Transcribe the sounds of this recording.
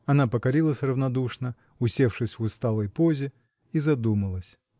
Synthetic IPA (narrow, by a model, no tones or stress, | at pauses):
ɐnapəkɐɾʲilˠəsʲrəvnɐd̪uʂnə | ʊsʲefʂɨsʲvʊst̪alˠəjpozʲɪ | izɐd̪uməlˠəsʲ